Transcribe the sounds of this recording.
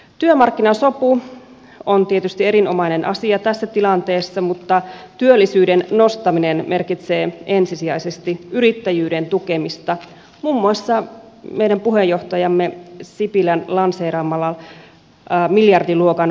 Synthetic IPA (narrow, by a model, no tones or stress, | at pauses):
t̪yømɑrkːinɑsopu | ont̪iet̪yst̪ie̞ɾinomɑinenʔɑ̰siɑt̪æsːæt̪ilɑnt̪eːsːɑmut̪ːɑt̪yølːisyːdenno̞st̪ɑminenme̞rkit̪se̞ːʔe̞nsisiæisest̪iyɾit̪ːæjyːdent̪ukemist̪ɑ | muːmːuɑsːɑ | mejdæmpuɦejo̞ht̪ɑjɑmːesipilænlɑnseːɾɑmːɑlɑlː | miljɑrdiluokɑn